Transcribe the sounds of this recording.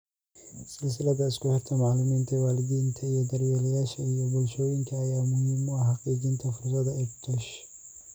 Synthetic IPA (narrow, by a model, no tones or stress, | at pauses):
sɪls̬ɪlɐd̪ɐɪskʊhɛɾt̪ʰɐmaʕlʊmiːnt̪ʰɛwaːlɪd̪int̪ʰɐijɔd̪ɐɾwɛlɐjaːʃɐijɔbʊlʃɔwɪŋkʰiɐjaːmʊhɪmːuɐɦɑqʼiːɡint̪ʰɐfʊɾs̬ɐd̪ɐɛkt̪ʰɔʃ